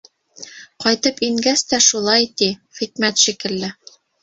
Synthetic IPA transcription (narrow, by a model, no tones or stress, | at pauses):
qɑjt̪ɤpiŋɡæst̪æʃulˠɑjt̪iχikmæt̪ʃikɘ̆lːɘ